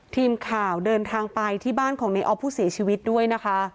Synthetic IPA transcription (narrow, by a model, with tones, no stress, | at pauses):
t̪ʰiː˧mkʰaː˨˩wdɤː˧nt̪ʰaː˧ŋpa˧jt̪ʰiː˥˩baː˥˩nkʰɔː˩˦ŋna˧jʔɔː˦˥pʰːuː˥˩si˨˩˦t͡ɕʰiː˧wi˦˥t̪̚du˥˩əjna˦˥kʰa˦˥